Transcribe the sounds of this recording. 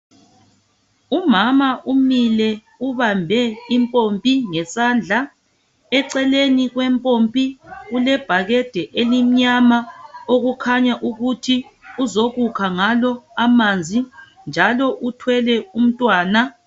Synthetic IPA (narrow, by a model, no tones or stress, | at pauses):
umamaʔumilɛ | uβambʱɛimpʼompʼiŋɛsaːnd͡ɮʱa | ɛǀɛleniɣwɛmpʼompʼiɣulɛb̥ʱaɣɛd̥ʱɛʔelim̩ɲamaoɣukʰaɲaʔuɣutʰiuzoɣukʰaŋalɔamand͡zʱi | nd͡ʒʱalɔʔutʰwɛlɛum̩tʼwaːna